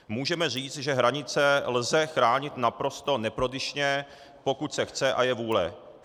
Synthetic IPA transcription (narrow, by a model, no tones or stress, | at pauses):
muːʒɛmɛr̝iːt͡st̪ʒɛɦɾaɲɪt͡sɛlzɛxɾaːɲɪt̪napɾo̞st̪o̞nɛpɾo̞dɪʃɲɛ | po̞kut̪sɛxt͡sɛʔajɛvuːlɛ